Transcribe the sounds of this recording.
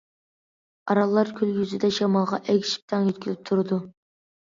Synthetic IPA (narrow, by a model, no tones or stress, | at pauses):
ɑɾɑlˠːɑɾkʲʰyljʲyzɪd̪ɛʃɑmɑlˠʁɑʔɛɡʲʃi̥p̚t̪ʰɑŋjøt̪̚ʲkʲilɪp̚t̪ʰʊɾd̪u